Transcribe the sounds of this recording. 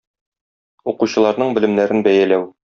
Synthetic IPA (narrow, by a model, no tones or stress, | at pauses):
uquɕɤ̆lˠɑɾnɤɴbɘ̆lɘ̆mnæɾɘnbæjælæw